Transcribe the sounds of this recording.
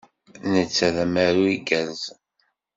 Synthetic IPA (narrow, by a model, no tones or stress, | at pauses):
nət͡sːæðæmæɾuiɡæz